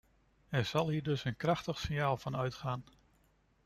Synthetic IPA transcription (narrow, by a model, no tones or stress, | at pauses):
ɛɹz̥ɑlˠɦiːɹdɵsənkrɑχtəχsɪnjaːlˠvɑnœɥtχaːn